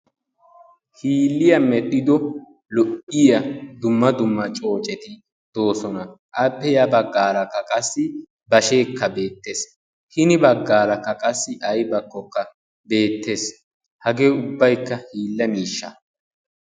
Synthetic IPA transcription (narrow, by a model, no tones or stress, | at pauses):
hiːlːɪjɐmɛɗ̪ʼɪd̪ɔ | lɔʔɪjɐd̪ʊmːɐd̪ʊmːɐt͡ʃʼo̞ːt͡ʃʼɛt̪ɪ | d̪̥o̞ːsɔnɐ | ʔɐpːɛjɐbɐɡːaːɾɐkːɐkʼɐsːɪ | bɐʃe̞ːkːɐbe̞ːt̪ːe̞ːs | hɪnɪbɐɡːaːɾɐkːɐkʼɐsːɪʔɐjbɐkːɔkːɐ | be̞ːt̪ːe̞ːs | hɐɡe̞ːʊbːɐjkːɐhiːlːɐmiːʃːɐ̰